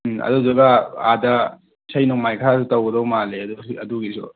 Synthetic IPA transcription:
ɐ̰duzɐɡɐa̰dɐ | sɐjnɔŋmajkʰasutɐwɡɐdɔwmaleɐdusɐduɡisṵ

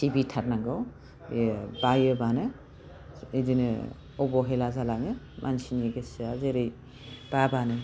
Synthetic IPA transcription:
sibitʰaɾ̚naŋɡaw | bajɯbanɯ | idinɯ | ɔbɔɦelazalaŋɯ | mʔansineɡesazeɾɯj | b̥abanɯ

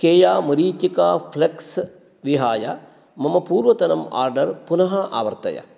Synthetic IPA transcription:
keːjaːmɐɾiːt̪ikaːfʰleks | ʋiɦaːjɐ̰ | mɐmɐpuːɾʋɐt̪ɐnɐma̰ːɾɖɐɾpunɐɦɐʔa̰ːʋɐɾt̪ɐ̰jɐ̰

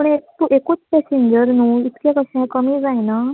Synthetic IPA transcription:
pəɳekt̪uʔekuːt͡spɛseɲd͡ʑəɾnuːit̪kẽkəɕãkəmiːd͡zajna

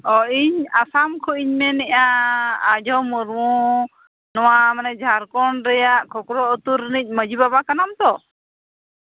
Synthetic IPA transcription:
ɔiɲasamkʰɔiɲmɛnɛʔaː | d͡ʒɔwmuɾmu | nɔwamanɛd͡ʒʱaɾkɔɳɾɛjaʔkʰɔkɾɔɔt̪uɾnic̚ˀməd͡ʒibabakanamt̪ɔ

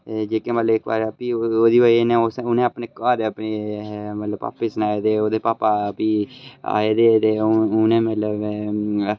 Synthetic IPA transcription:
ed͡ʒeːkẽːmət̪ləbɪkːba̰ːɾəpiːoːd̪iːʋəienẽːoːsʊnẽːapneːkãːd̪eːəpneːmət̪ləba̰ːpɪsnaːeːd̪eːoːd̪eːpaːpapiːa̰ːeːd̪eːt̪eːʊnẽːmət̪ləb

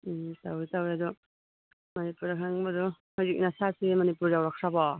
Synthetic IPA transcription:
tawitawjadu | mɐnipuɾakʰaŋbadu | hɔzik̚nasasemanipuɾjawɾak̚sabɔ

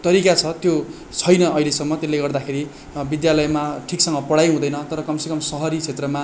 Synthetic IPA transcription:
t̪ʌɾikat͡sʰʌt̪jo | t͡sʰʌjnʌːilesʌmːʌt̪elːeɡʌrd̪akʰeɾi | bid̪jalʌjmaʈʰiksʌŋɡʌpʌɽajɦũd̪ʌjnʌt̪ʌɾʌkʌmsekʌmsʌɦʌɾit͡sʰet̪rʌma

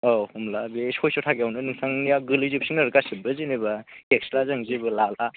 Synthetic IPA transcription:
ɔhumlabesojsɔtʰaɡeawnɯnɯŋsaŋnijawɡɯlizɯp̚siŋnɐɾkasɯbɯzinibaekslazaŋzibɯlala

